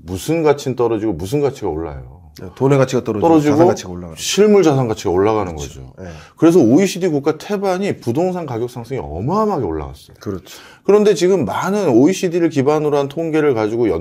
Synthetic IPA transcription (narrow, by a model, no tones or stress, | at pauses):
musʰɯnɡat͡ɕʰint͈ʌɾʌd͡ʑiɡomusʰɯnɡat͡ɕʰiɡao̰ɭːa̰jo̰ | toneɡat͡ɕʰiat͈ʌɾʌt͈ʌɾʌd͡ʑiɡoiaɕʰiɭmuɭd͡ʑas̬ʰaŋɡat͡ɕʰiɡaoɭːaɣanɯnɡʌ̰d͡ʑo̰kɯɾe̞s̬ʰʌoiɕʰidikuk͈atʰe̞baɲipudoŋsʰaŋkaɡjʌk̚s͈aŋs͈ʰɯŋiʌ̰mʌɦamɦaɡeoɭːa̰ɡa̰s͈ʌjokɯɾt͡ɕʰ | kɯɾʌnde̞t͡ɕiɡɯmːanɯnoiɕʰidiɾɯɭkibanɯɾoɦantʰoŋɡe̞ɾɯɭkad͡ʑiɡojʌ